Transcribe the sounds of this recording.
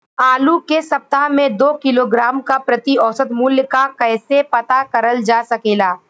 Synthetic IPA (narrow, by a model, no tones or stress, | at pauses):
aːlukesɐp̚t̪aɦmẽd̪oːkɪloːɡɾaːmkapɾɐt̪iɔːsət̪mʊljkakɛːsepɐt̪akɐɾəld͡ʒaːsɐkeːlaː